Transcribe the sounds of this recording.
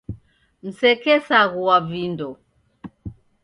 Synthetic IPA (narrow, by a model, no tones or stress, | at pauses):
m̩sɛkɛsaɣuwavindɔ